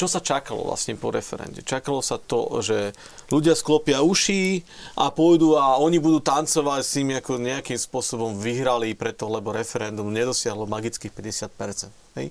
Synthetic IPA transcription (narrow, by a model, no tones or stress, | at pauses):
t͡ʃɔsat͡ʃakalɔ̰ʋla̰sɲɛpɔ̰ɾɛ̰fɛ̰ɾɛ̰nɟɛ̰t͡ʃakalɔsat̪ɔ̰ʒɛ | luɟɪasklɔpɪauʃiːʔapʊɔjd̪uːaɔɲibud̪uːt̪ant͡sɔʋacsimiakɔɲɛakimspʊɔsɔbɔmʋiɦɾalipɾɛt̪ɔlɛbɔɾɛfɛɾɛnd̪umɲɛd̪ɔsɪaɦlɔmaɡit͡skiːxpɛɟɛsɪat̪̚pɛɾt͡sɛnt̪ɦɛ̰j